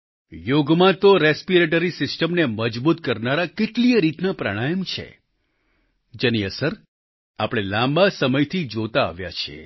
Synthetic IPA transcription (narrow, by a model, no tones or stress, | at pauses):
joɡmãt̪oɾespiɾeʈ̬əɾisɪsʈəmneməd͡ʒbut̪kəɾnaɾakeʈlieɾit̪napɾə̰ɽ̃ajəmt͡ʃʰḛ | d͡ʒeniəsəɾ | apɽ̃elãmbasəməjt̪ʰid͡ʒot̪a̰ːʋja̰t͡ʃʰḛ